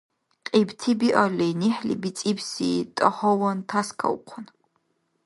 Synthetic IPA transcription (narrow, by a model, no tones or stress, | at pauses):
qʼibt̪ʰibiʔɔlɛjniħlḭbit͡sʼibsḭt̪ʼəχɔwɔnt̪ʰaskʰɐ̰uqʷʰɔn